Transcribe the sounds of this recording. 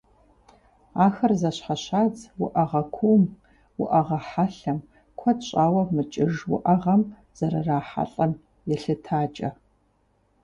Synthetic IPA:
aːxɐrzɐɕħaɕaːd͡zwʊʔɐʁɐkʷʰuːm | wʊʔɐʁɐħaɬɐm | kʷʰɐdɕʼaːwɐmɨt͡ʃʼɪʐwʊ̰ʔɐʁɐm | z̥ɐɾɐraːħa̰ɬʼɐm | jɛɬɨtʰaːt͡ʃʼɐ̰

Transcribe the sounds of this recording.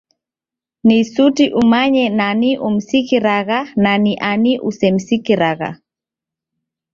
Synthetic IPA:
nisutiʔumaɲɛnaniʔum̩sikiɾaɣananiʔaniʔusɛmsikiɾaɣa̰

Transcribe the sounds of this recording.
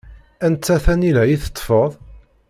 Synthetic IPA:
ænt͡sːæθænilæjiθə̥t̪ˤːfəðˤ

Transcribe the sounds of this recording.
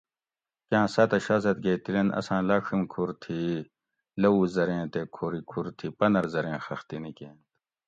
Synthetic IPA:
kãːsɐt̪ɐɕaːzɐt̪̚ɡeːt̪ilenɐ̰sãːlaːʂimkʰuɾt̪ʰi | lɐuːzɐɾẽːt̪ekʰoːɾikʰuɾt̪ʰipɐnɐɾzɐɾẽːxɐxt̪inikẽːnt̪

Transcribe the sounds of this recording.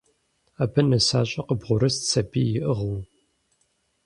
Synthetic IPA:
aːbɐnɐsaːɕʼɐqəbʁʷʊɾɨst͡sʰɐbiːjɪʔəʁəw

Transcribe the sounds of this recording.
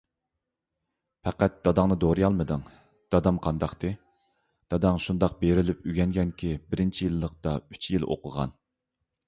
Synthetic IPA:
pʰɛqæt̪̚d̪̥ɑd̪ɑŋnɨd̪oɾɨjɑlˠmɨd̪ɨŋ | d̪̥ɑd̪ɑmqʰɑnd̪ɑqt̪ɨ | d̪̥ɑd̪ɑŋʃund̪ɑq̚beɾɪlɪpyɡʲɛŋɡʲɛnkʲʰibɪɾɪnt͡ʃʰijilˠːəqt̪ɑyt͡ʃʰjilˠo̰qʰʊʁɑ̰n

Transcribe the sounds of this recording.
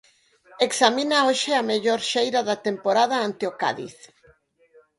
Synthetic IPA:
eksaminaoʃɪameʎoɾʃejɾaðat̪empoɾaðaant̪eoka̰ðḭθ

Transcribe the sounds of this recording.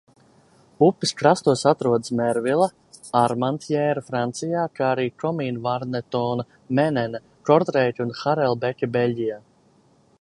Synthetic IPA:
upːiskɾast̪uɔsat̪ɾuɔd̪smɛɾvilˠɐ | aɾmant̪jɛːɾafɾant̪sijaːkaaɾiːkɔmiːnvaɾnɛt̪ɔːnɐ | mɛnɛna | kɔɾd̪ɾɛːt̪ʲunxaɾɛlˠbɛkʲibelʲɟʲijaː

